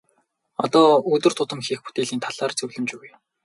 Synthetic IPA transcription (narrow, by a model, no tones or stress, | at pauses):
ɔ̰t̪ɔːɵt̪ɵ̆r̥t̪ʰʊt̪ə̆mxiːxput̪eːɮiːnt̪ʰaɮaːrt͡sɵɣɮɵ̆mt͡ɕuwɘj